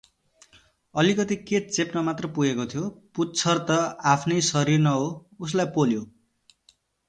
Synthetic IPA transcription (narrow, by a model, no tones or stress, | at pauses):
ʌlikʌt̪iket͡sepnʌmat̪rʌpuɡekot̪ʰjoputːt͡sʰʌrt̪ʌapʰnʌjsʌɾirnʌɦous̬lajpoljo